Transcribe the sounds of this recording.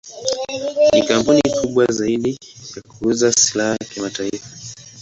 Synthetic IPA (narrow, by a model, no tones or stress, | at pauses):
nikampunikʰuɓwazaiɗijakuuzasilahakimataifḁ